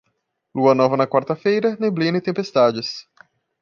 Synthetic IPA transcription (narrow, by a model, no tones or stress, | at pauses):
luɐnɔvɐnɐkwaɾt̪ɐfejɾɐneblĩnɐɪt̪ẽpest̪ad͡ʒɪs